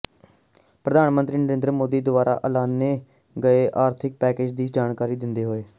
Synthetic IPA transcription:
pɾəd̪aːnmənt̪ɾiːnəɾeːnd̪ɾmoːd̪iːd̪ʊbaːɾʔa̰ːʔəlaːnːeː | ɡəeːʔaːɾt̪ʰɪk̚pɛːkeːd͡ʒd̪iːd͡ʒaːnkaːɾiːd̪ɪnd̪eːɦoːeː

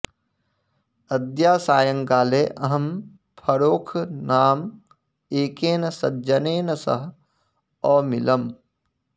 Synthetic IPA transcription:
ɐd̪jaːsaːjəŋkaːleːʔɐɦɐm | pʰɐɾoːkʰnaːm | eːkeːnɐsɐdd͡ʒɐneːnɐsɐ̰ɦ | ɔːmɪləm

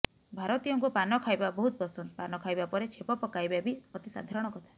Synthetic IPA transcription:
bʱaɾɔt̪ijɔŋkupanɔkʰajbabɔɦut̪̚pɔsɔnt̪ɔpanɔkʰajbapɔɾet͡ʃʰepɔpɔkajbabiɔt̪isa̰d̪ʱaɾɔɽ̃ɔkɔt̪ʰa

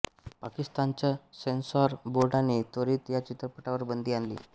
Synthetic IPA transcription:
pakist̪ant͡ɕjasensɔɾboɾɖanet̪oɾiːt̪jat͡ɕit̪ɾəpəʈaʋəɾbənd̪ʱiːanlḭː

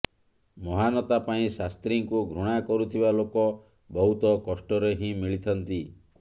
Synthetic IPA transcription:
mɔɦanɔt̪apaĩsast̪ɾiŋkuɡʱɾuɽ̃akɔɾut̪ʰibalokɔ | bɔɦut̪ɔkɔsʈɔɾeɦĩmiɭit̪ʰɔnt̪i

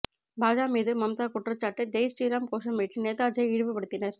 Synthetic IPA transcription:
baːd͡ʒaːmiːðɯmɐmt̪aːkʊʈrɐt͡ʃːaːʈːɯd͡ʒɐɪsʈiːɾaːmkoːʂɐmːeːʈːɯneːt̪aːd͡ʒɐɪɪɻɯʋɯpːɐɽɯt̪ːɪnɐɾ

